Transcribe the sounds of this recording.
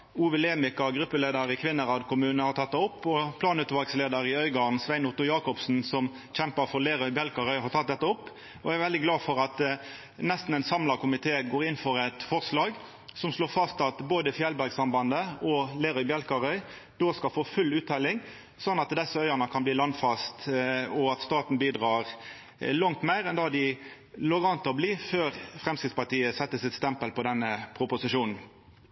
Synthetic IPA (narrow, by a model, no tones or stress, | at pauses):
uːʋəleːmɪkɑɡɾʉpːəleːd̪əɾɪkʰʋɪnːəʁɑːd̪kʰʊmʉːnəhɑɾt̪ʰɑt̪d̪ɔpːɔpʰlɑːnʉːt̪ʋɑlɡsleːd̪əɾɪœʏɡɑːʁn̩sʋæɪnʊʁt̪ʊjɑːkɔpsn̩sɔm | çɛmpɑfɔʁleːʁœʏbjɛlkɑʁœʏhɑʁt̪ʰɑt̪̚d̪ɛt̪ːəɔpː | ɔææɾʋɛld̪ɪɡlɑːfɔʁɑt̪ | nɛst̪n̩ɛɪnsɑmlɑkʰʊmɪt̪ʰeːɡoːʁɪnːfɔʁɛt̪fɔʁslɑːɡ | sɔmsloːfɑst̪ɑt̪boːd̪əfjɛlbæʁɡsɑmbɑnd̪əɔleːɾœʏbjɛlkɑʁœʏ | d̪̥oːskɑlfoːfʉlːʉːt̪ʰːɛlɪŋ | sɔnːɑt̪d̪ɛsəœʏəʁnəkʰɑnbliːlɑnd̪fɑst̪ɔɑt̪st̪ɑːt̪n̩biːd̪ʁɑːʁ | lɑŋt̪mæɪʁɛnd̪ɑd̪ɪ | loːʁɑnt̪əɔbliːføːʁfʁɛmskɾɪt̪spɑt̪iːəsɛt̪ːəsɪt̪st̪ɛmpəlpʰɔd̪ɛnːəpʰʁʊpʊsɪʃuːnn̩